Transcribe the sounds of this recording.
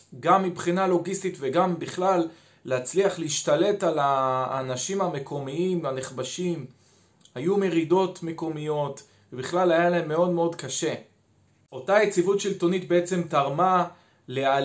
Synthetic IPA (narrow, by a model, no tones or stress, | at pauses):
ɡamːibχinalo̞ɡist̪itveɡambiχlalː | eat͡sliaχleiʃtale̞talaːnaʃimhame̞kʰo̞miimaneχbaʃim | hajume̞ʁido̞tme̞ko̞mijo̞t | vebiχlalajalae̞mːe̞o̞dme̞o̞dkaʃe̞ | ʔo̞tajet͡sivutʃilto̞nitbe̞et͡se̞mtaʁma | lea